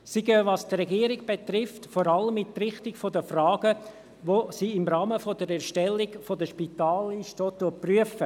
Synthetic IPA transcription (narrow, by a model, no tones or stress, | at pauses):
siɡøːʋɑstrɛɡiəɾɪɡ̚b̥et̪rɪftfoɾɑləmɪtrɪχtɪɡfodəfrɑːɡ̥ə | ʋosiːɪmɾɑːməfodəɾɛɾʃtɛlːɪɡfodəʃpitɑːliʃtoːt̪ːuəpryəfə